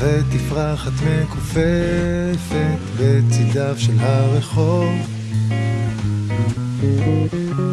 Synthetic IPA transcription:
vet̪ifʁaχat̪mekufefet̪bet͡sid̪avʃelɦaʁeχov

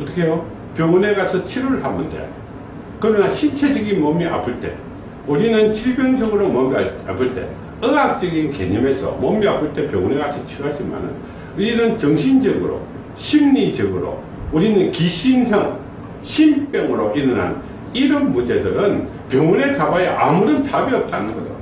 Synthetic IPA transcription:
ʌt̪͈ʌ̥kʰejo | pjoŋne̞ɡasʰʌt͡ɕʰiɾuɭhamːundḛ | kɯɾʌnaɕʰint͡ɕʰe̞d͡ʑʌɡinmʌmːiʔa̰pʰɯɭt͈e̞̰ | uɾinɯnt͡ɕʰiɭbjʌŋd͡ʑʌɡɯɾomʌmiaɭa̰pʰɯɭt͈e̞̰ | ɯɡap̚t͡ɕ͈ʌɡinke̞̰ɲime̞sʰʌ̰mʌmːiapʰɯɭt͈e̞pjoŋune̞ɡasʰʌt͡ɕʰiɾuɦad͡ʑima̰nɯ̰n | uɾinɯnt͡ɕʌŋɕʰind͡ʑʌɡɯɾo̰ | ɕʰimnid͡ʑʌɡɯɾo̰ | uɾinɯnkiɕʰinhjʌŋ | ɕʰinpjʌŋɯɾoʔiɾɯna̰n | iɾɯnmud͡ʑe̞dɯɾɯn | pjʌŋune̞tabajeʔamuɾɯntabiʌp̚t͈anɯnɡʌd͡ʑo̰

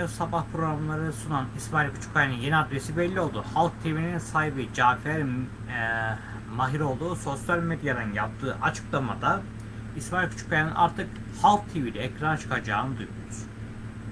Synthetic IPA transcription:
osabahpʰɾo̞ɡɾamlˠaɾɯsunanismailʲkʰu̥t͡ʃʰu̥kʰːajanɯnjeniad̪ɾesibɛlʲːio̞lˠd̪uːhalˠk̚t̪ʰevininsajbid͡ʒaːkfeɾ | maɦiɾo̞lˠd̪uːso̞sjalʲmed̪jad̪ɯnjap̚t̪ʰɯːʔat͡ʃʰɯ̥klˠamad̪a | ismailʲkʰut͡ʃʰu̥kʰːajanɯnʔa̰ɾt̪ʰɯk | halˠk̚t̪ʰevilʲiɛcɾanat͡ʃʰɯ̥kʰad͡ʒaːnɯd̪ujuɾuz̥

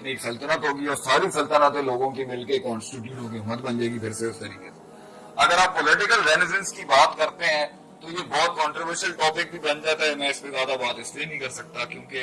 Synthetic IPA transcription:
neːksɐlt̪ənəkɦoːɡiɔːɾsaːɾisɐlt̪ənat̪eloːɡõkimɪlkekɔːnsʈɪʈ̬juːʈɦoːkeɦʊmət̪bɐ̃nd͡ʒeɡiɡ̪ʱɐɾseʊst̪ɐɾḭːkese | ɐɡəɾaːpːolɪʈɪkəlɾeːnɪs̬ə̃nskibaːt̪kɐɾt̪eɦɛ̃ | t̪ojebɔːt̪̚kɔ̃ːɳʈɾoʋəɾʃəlʈɔːpɪk̚bʱibɐ̃nd͡ʒaːt̪aɦɛmɛ̃ɪsmẽzjaːd̪abaːt̪ɪslieinɐɦĩkɐɾsɐk̚t̪akjõːke

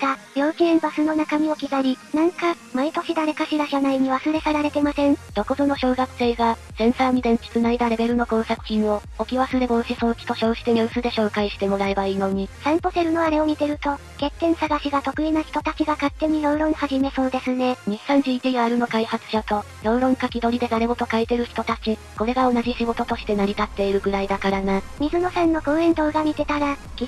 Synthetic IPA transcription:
t̪aɾʲjo̞ːkʲiẽ̞mbasɨno̞nakamʲio̞kʲiɡaɾʲinãŋka | mait̪o̞ɕid̪aɾe̞kaɕiɾaɕanaiɲ̟iβasɨɾe̞saɾaɾe̞t̪e̞masẽ̞nd̪̥o̞kod̪o̞no̞ɕo̞ːɡakɯ̟̥se̞ːɡasẽ̞ɰ̃saːmid̪ẽ̞n̟t͡ɕi̥t͡sɨnaid̪aɾe̞be̞ɾɯ̟no̞kõ̞ɰ̃sakɯ̟̥t͡ɕĩɰ̃o̞okʲiβasɨɾe̞ɡo̞ːɕiso̞ːki̥t̪o̞ɕo̞ːɕi̥t̪e̞ɲʲɯːsɨd̪e̞ɕo̞ːkaiɕi̥t̪e̞mo̞ɾae̞baiːno̞ɲ̟isãmpo̞seɾɯ̟no̞aɾe̞omʲit̪e̞ɾɯ̟t̪o̞ | ke̞t̪ːẽ̞ɰ̃saɡaɕiɡat̪o̞kɯ̟inaçi̥t̪o̞t̪at͡ɕiɡakat̪ːe̞ɲ̟ijo̞ːɾõ̞ŋ̃haʑime̞so̞ːd̪e̞sɨne̞ɲisãn̟d͡ʑiːt̪iaːɾɯ̟no̞kaihat͡sɨ̥ɕat̪o̞ | jo̞ːɾõ̞ŋkakʲid̪o̞ɾʲid̪e̞d̪aɾe̞bo̞t̪o̞kaet̪e̞ɾɯ̟çi̥t̪o̞t̪at͡ɕi | ko̞ɾe̞ɡao̞naʑiɕiɡo̞t̪o̞t̪o̞ɕi̥t̪e̞naɾʲit̪at̪ːe̞iɾɯ̟ɡɯ̟ɾaid̪akaɾanamʲizɨno̞sãnːo̞ɡoːẽ̞nd̪o̞ːɡamʲit̪e̞t̪aɾaɡʲi

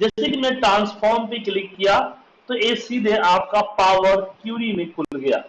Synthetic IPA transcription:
d͡ʒɛːsekimɛ̃ːʈɾãːnspʰɔːɾmpeklɪkːija | t̪oeːksiːd̪ʱeʔaːp̚kapaːwəɾkjuːɾimẽkʊlɡɐja̰ː

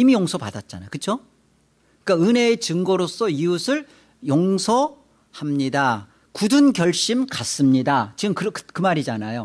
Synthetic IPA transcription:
imijoŋsʰʌpadat̚t͡ɕ͈anajo̰kɯt͡ɕʰo | ik͈aɯne̞ːt͡ɕɯŋɡʌɾos͈ʌiusʰɯɭ | joŋsʰʌ | hamɲida | kudunkjʌɭɕ͈imkas͈ɯmɲidat͡ɕiɯmkɯɾʌkɯkɯmaɾid͡ʑanajo

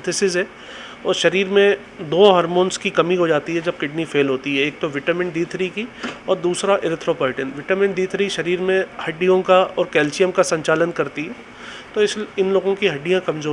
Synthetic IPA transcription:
t̪ʰɪsɪzɦɛː | ɔːɾʃɐɾiːɾmẽ | d̪oːɦɔːɾmõːnskikɐmiɦod͡ʒaːt̪iɦɛd͡ʒɐb̚kɪɖnifʰeːlɦoːt̪iɦɛeːk̚t̪oʋɪʈəmɪ̃ɳd̪iːt̪ʰɾikiɔːɾd̪uːsɾaʔɪɾɪt̪ʰɾopaːʈənʋɪʈəmɪ̃ɳɖd̪iːt̪ʰɾiʃɐɾiːɾmẽhɐɖːijõkaɔːɾkɛːlsijəmkasɐ̃ɲt͡ʃaːlənkɐɾt̪iɦɛː | t̪oɪsɪnloːɡõkiɦɐɖːijãkɐ̃mzoː

